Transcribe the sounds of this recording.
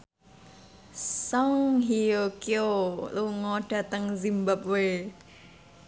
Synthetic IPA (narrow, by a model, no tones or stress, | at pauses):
sɔŋɦiokioluŋɔɖ̥a̤t̪əŋzimbap̚we